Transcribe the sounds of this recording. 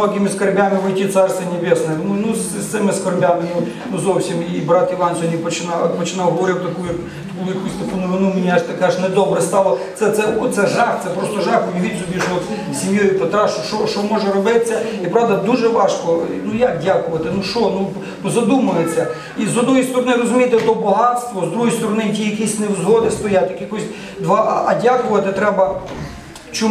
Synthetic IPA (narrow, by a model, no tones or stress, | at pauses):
oɡʲɪmʲɪskɐrbʲamʲɪʋɐjtʲit̪sarst̪ʋʲɐnʲɪbʲesnəjɛnʊnusʲssɛmʲɪskɐrbʲamʲɪnʊ | nuzofsʲɪmiːbɾat̪ɪʋansʊnʲipət͡ɕɪnapət͡ɕɪnalˠɦɐʋɐɾʲit̪ʲt̪ɐkuju | t̪ɐkupusʲt̪ɐpʊnʊʋɪnumʲɪnʲaʐt̪ɐkʂnɐd̪obɾɐst̪alˠɐt̪ɛt̪sɛot̪sɛʐaft̪sɛpɾost̪oʐafʊjʲɪʋʲizʲʊbʲiʒot̪ | sʲimjɔjʊpɐt̪ɾɑʃʃɔʃt͡ʃɔmɔʒɛɾɔbɪtt͡sʲːɐipɾɑʋd̪ɐd̪uʒɛʋɑʃkɔnujakdʲakʊʋɐt̪ɪnuʃɔnu | zɐd̪umʊjet͡sʲːɐ | izɔd̪nɔɦjst̪ɔɾɔnɪɾɔzʊmʲijt̪ɪt̪ɔbɔɦɑt̪st̪ʋɔzd̪ɾuɦojst̪ɔɾɔnɪtʲijɐkisʲnewzɦɔd̪ɪst̪ɔjat̪ʲjɐkjɐkɔsʲ | d̪ʋɑʔʔɐdʲakʊʋɐt̪ɪt̪ɾɛbɐ | t͡ʃɔ